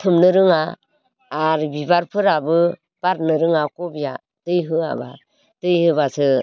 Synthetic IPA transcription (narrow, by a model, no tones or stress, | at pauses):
tʰɯmnɯɾɯŋaː | ɾbibaɾpʰɯɾabɯ | paɾnɯɾɯŋakobija | tɯjɦɯa̰ba̰ | tɯjhɯbasɯ